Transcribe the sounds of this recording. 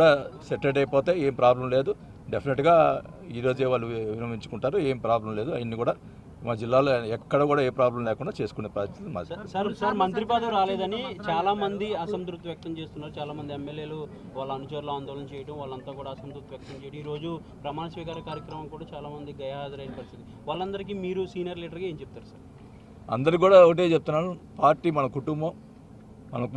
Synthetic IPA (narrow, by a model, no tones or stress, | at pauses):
kːɽaːsɛʈːeɖɐjpoːt̪e̞ːeːmipɾaːblɐmle̞ːd̪u | ɖepʰineʈɡaː | iːɾo̞ːd͡ʒeːʋaːɭːuʋinɐmiɲt͡ʃu̥kuɳʈaːɾueːmpɾaːblɐmleːd̪uaːjɐnːiːkuːɽaː | maːd͡ʒilːaːloɛkːɐɽɐkuːɽaːeːpɾaːblɐmlɛːkuɳɖaːt͡ʃe̞ːsu̥kuneːpɾaːst̪it̪ma̰sɐɾsɐɾmɐnt̪ɾipaːd̪ɐmɾaːleːd̪ɐnit͡ʃaːlaːmɐnd̪iɐsɐmt̪ɾuk̚t̪ːiʋjɐk̚t̪ɐmt͡ʃe̞ːst̪unːaːɾut͡ʃaːlaːmɐnd̪iemːelje̞ːlu | ʋaːɭːɐːnut͡ʃɐɾluaːnd̪ɔːlɐnɐt͡ʃɛːjɐʈɐmʋaːɭːɐnt̪aːkuːɽaːsɐmt̪ɾukt̪ːiʋjɐk̚t̪ɐmt͡ʃɛːjɐʈɐmiːɾo̞ːd͡ʒu | pɾɐmaːnɐsʋiːkaːɾɐkaːɾjɐkɾɐmɐmkuːɽaːt͡ʃaːlaːmɐnd̪iɡɐjɐɦaːd͡ʒ̪ɐɾɐjɐnɐpɐɾist̪it̪i | ʋaːɭːɐnd̪ɐɾik̬iːmiːɾusiːnɐɾliːʈɐɾɡaːeːɲt͡ʃep̚ut̪aːɾusɐɾ | ɐ̰nd̪ɐɾikuːɽaːoʈ̬et͡ʃep̚t̪unːaːɽupaːɾʈiːmɐnɐkuʈumbɐmː | ɐnɐ